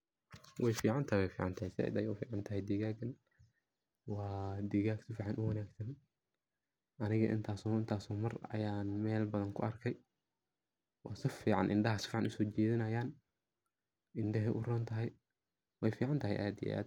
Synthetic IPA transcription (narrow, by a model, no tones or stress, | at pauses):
wʔɛjfiːʕɑnt̪ʰɐjwɛjfiːʕɑnt̪ʰɐhɛjsɪɛ̰d̪ɐjʊfiːʕɑnt̪ʰɐɦɛjd̪iːɣaːɡɐn | wɑːd̪iːɣaːɡsɪfiːʕɑnʔʊwɐnaːɡsɐn | ʔɐnɪɣɐ̰ʔɪ̰nt̪ʰaːsɔːɪnt̪ʰaːsɔːmɐrɐ̰jaːnmɛːlbɐðɐŋkʰʊ̰ɐrkʰɛj | wɑ̰ːsɪfiːʕɑ̰nʔɪ̰nɖɐɦɐsɪ̥fiːʕɑ̰nʔʊsɔːt͡ʃɛːðɪnɐjaːn | ʔɪnɖɐɦɛʔʊrɔːnt̪ʰɐɦɛj | wɛjfiːʕɑnt̪ʰɐɦɛjʔa̰ːd̪ijɛ̰ʔa̰ːd̪